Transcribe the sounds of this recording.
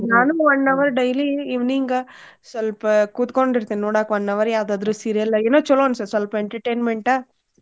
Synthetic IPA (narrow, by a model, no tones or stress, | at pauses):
naːnɯʋɐnːɐʋɐɾɖɐɪliɪʋniːŋɡɐ | sɛlpkʊt̪ɯkɔɳɪɾɯt̪ːẽːnoːɽaːkʋɐnːɐʋɐɾjaðaːðɯɾɯsiɾɪjɐlɐɛnːɐ̃t͡ʃɔlːõːnsɐɾsɐlpɛɳʈɐɾʈeːnmɛɳʈɐ